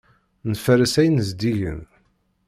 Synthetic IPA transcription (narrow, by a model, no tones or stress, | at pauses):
nfəɾəsæjənzd̪iʝə̰n